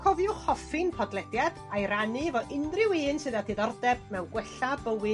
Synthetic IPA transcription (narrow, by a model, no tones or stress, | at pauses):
kʰɔvjʊχɔfɨnpʰɔdlˠɛdjad̥ | ajɾanɨvɔʔɪndrɪwiːnsɨːðatʰɪðɔrdɛb̚mɛwɡwɛɬabəwɨ